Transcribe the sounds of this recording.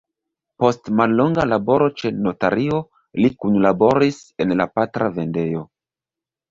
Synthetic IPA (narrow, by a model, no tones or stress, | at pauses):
po̞stmalːo̞ŋɡalabo̞ɾo̞t͡ʃe̞no̞taɾio̞ | likunlabo̞ɾise̞nlapatɾʔave̞nde̞jo̞